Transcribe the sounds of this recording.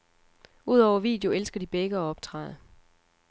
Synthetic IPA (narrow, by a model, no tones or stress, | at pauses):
uð̞̰ˠɒʊɐʋḭːd̥eo̝elsɡ̥ɐd̥ib̥eɡ̥əɒ̽ɒ̽b̥̚t͡sʰʁɑ̰̈ɪðˠ